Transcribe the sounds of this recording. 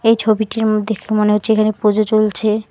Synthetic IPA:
ejt͡ɕʰobiʈiɾod̪ʱekʰemoneɦotːʰeekʰanepod͡ʑot͡ɕolt͡ɕʰe

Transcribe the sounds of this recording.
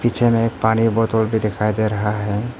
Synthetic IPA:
pit͡ʃʰemẽek̚paːnibɔt̪olbʱid̪ekʰajd̪eɾəɦaɦɛ

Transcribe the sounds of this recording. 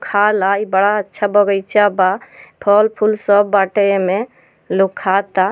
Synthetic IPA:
kʰalaibəɽaətːʃʰabɔɡəjt͡ʃabapʰɔlpʰulsɔbːaʈəme | lokʰat̪a

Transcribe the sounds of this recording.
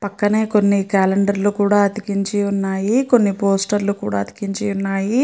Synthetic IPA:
pɐkːɐne̞ːko̞nːikaːleɳɖɐɾlukuːɽaːɐd̪ikiɲt͡ʃiunːaːjiko̞nːipoːsʈɐɾlukuːɽa̰ːɐt̪i̥kiɲt͡ʃiunːaːji

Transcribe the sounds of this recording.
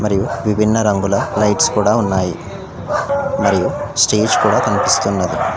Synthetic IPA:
mɐɾijuʋibʱinːɐɾɐŋɡulɐlɐjʈskuːɽaːunːaːji | mɐɾijusʈeːd͡ʒkuːɽaːkɐnipist̪unːɐd̪i

